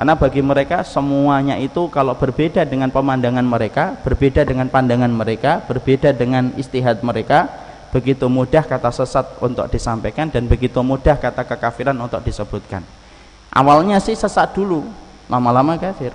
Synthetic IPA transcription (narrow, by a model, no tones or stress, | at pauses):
karnabaɡiməɾekasəmuaɲaʔit̪ukalob̥ərbedadəŋanpəmandaŋanməɾekab̥ərbedadəŋanpandaŋanməɾekab̥ərbedadəŋanḭst̪iɦat̪̚məɾeka | b̥əɡit̪umudahkat̪asəsat̪̚ṵnt̪ʊ̰k̚d̥isampekandanbəɡit̪umudahkat̪akəkafiɾanunt̪ʊk̚d̥isəb̥ut̪̚ka̰n | ʔa̰walɲasɪhsəsat̪̚d̥ulu | lʔamalamakafɪr